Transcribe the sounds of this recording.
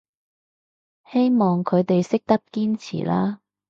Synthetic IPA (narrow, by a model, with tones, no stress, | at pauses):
he˥jmɔː˨ŋkʰɵ˨˧ɥt̪e˨jsɪ˥k̚t̪ɐ˥p̚kiː˥nt͡sʰḭː˨˩laː˥